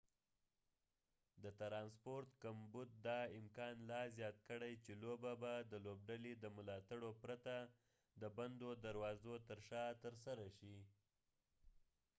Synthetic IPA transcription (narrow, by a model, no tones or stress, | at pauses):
d̪ət̪ɾɑnspoɾt̪kambud̪̚d̪ɑɪmkɑnlɑzjɑt̪̚kəɽajt͡ʃelobabad̪əlob̚ɖaled̪əmʊlɑt̪aɽopɾat̪a | d̪əband̪od̪aɾwɑzot̪əɾʃɑt̪əɾsaɾaʃi